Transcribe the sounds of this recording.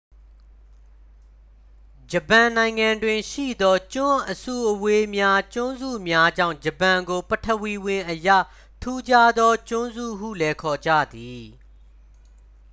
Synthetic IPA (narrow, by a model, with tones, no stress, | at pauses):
d͡ʑəpã˨nã˨ɪ̃ŋã˨ndwɪ̃˨ʃḭ˦˨d̪ɔ˦t͡ɕʊ̃˦ʔəsṵ˦˨ʔəwe˦mja˦t͡ɕʊ̃˦nzṵ˦˨mja˦d͡ʑã̰˦˨ʊ̃d͡ʑə˨pã˨ŋɡo˨pətʰə˨wi˨wɪ̃˨ʔəjä̰˦˨ | tʰu˦d͡ʑa˦d̪ɔ˦t͡ɕʊ̃˦nzṵ˦˨ɦṵ˦˨lɛ˦kʰɔ˨d͡ʑa̰˦˨d̪i˨